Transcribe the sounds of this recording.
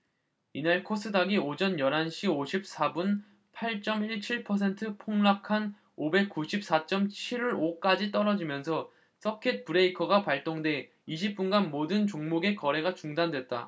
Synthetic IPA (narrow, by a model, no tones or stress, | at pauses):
inaɭkʰos͈ʰɯdaɡiod͡ʑʌnjʌɾɦanɕʰioɕʰip̚s͈ʰabun | pʰaɭt͡ɕ͈ʌmiɭt͡ɕʰiɭpʰʌs̬ʰe̞ntʰɯpʰoŋɭakʰan | obe̞k̚k͈uɕʰip̚s͈at͡ɕ͈ʌmt͡ɕʰiɾoɾok͈ad͡ʑit͈ʌɾʌd͡ʑimjʌnsʰʌ | s͈ʰʌkʰet̚pɯɾe̞ikʰʌɡapaɭt͈oŋde̞ | iɕ̬ʰip̚p͈unɡanmodɯnt͡ɕoŋmoɡe̞kʌɾe̞ɡat͡ɕuŋdandwe̞t̚t͈a̰